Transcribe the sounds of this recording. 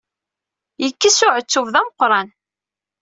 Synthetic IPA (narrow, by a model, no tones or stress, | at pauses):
jəkːisʊʕət͡sːʊvðæməqːɾˤɑn